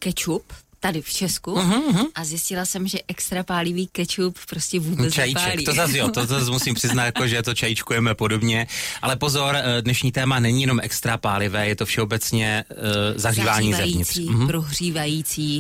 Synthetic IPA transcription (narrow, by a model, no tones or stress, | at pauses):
kɛt͡ʃupt̪adɪft͡ʃɛskuɦɦ̩ʔazjɪscɪlasɛmʒɛʔɛkst̪ɾapaːlɪviːkɛt͡ʃuppːɾoscɛvuːbɛt͡ʃajit͡ʃaɛlktiozazʒɛlt̪ozazmusiːmpr̥ɪznat̪jakoʒɛt̪ot͡ʃajɪt͡ʃkujɛmɛpo̞do̞bɲɛʔalɛpo̞zo̞ɾdnɛʃɲiːt̪ɛːmanɛɲijɛno̞mʔɛkst̪ɾapaːlɪvɛːjɛt̪o̞fʃɛo̞bɛt͡sɲɛ | zaɦriːvaːɲiːzɛjviɲɪt̪riːpɾoɦriːvajiːt͡siː